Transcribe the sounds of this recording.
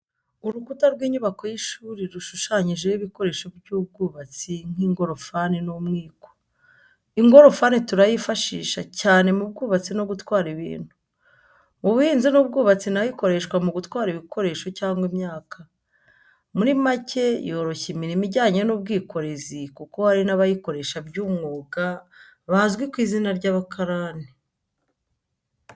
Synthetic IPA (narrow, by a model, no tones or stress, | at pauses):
uɾukutaɾɡwiːɲuβako̞jiʃuːɾiɾuʃuʃaɲiʒeiβiko̞ɾe̞ʃoɾɟuːb̚ɡuːβat͡siŋ̥iːŋɡo̞ɾo̞faninomŋiːko̥ | iŋɡo̞ɾo̞fanituɾajifaʃḭːʃa̰caːne̞mub̚ɡuːβat͡sino̞ɡutwaːɾiβḭːn̥hu | muβuhiːnzinub̚ɡuːβat͡sinajiko̞ɾe̞ʃkwamuɡutwaːɾiβiko̞ɾe̞ːʃo̞caːŋɡwimɲaːkʰa | muɾimace̞joɾo̞çimiɾimiɟaːɲenub̚ɡiːko̞ɾe̞zikuko̞haɾinaβajiko̞ɾe̞ʃabɟuːmŋoːka | βazɡwikwiːzinaɾɟaːβakʰaɾaːni